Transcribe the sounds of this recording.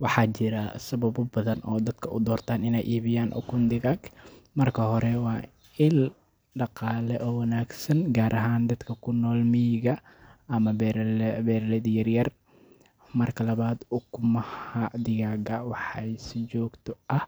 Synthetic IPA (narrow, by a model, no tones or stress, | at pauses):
wɑħɑːt͡ʃɪɾɐsɐbɐbʊbɐðɐnʔɔːd̪ɐd̪̥kʰɐʔʊd̪ɔːrt̪ʰaːnɪnɛjʔiːβɪjaːnʔɔ̰kʰʊnd̪ɪɣaɡmɐrkʰɐhɔɾɛwɑː | ɪl | ɖɑqɑːlɛʔɔːwɐnaːɡsɐnɡaːɾʔɐɦaːnd̪ɐd̪kʰɐkʰʊnːɔːlmijɣɐ | ɐmɐbɾbɛːɾlɛðjɐrjɐr | mɐrkʰɐlɐβaːd̪ʊkʰʊmɐhɐd̪ɪjaːɡɐwɑħɛjsɪd͡ʒɔːɡt̪ʰɔʔɐh